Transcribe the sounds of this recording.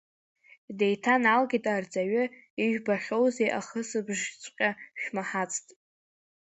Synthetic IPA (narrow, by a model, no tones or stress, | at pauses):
de̞jtʰanalɡʲitʼard͡zʼaɥʏ | iʒᶣbaχʲo̞wze̞jʔaχəsɨbʐt͡sʷʼqʲʼaʃᶣmaħat͡sʼtʼ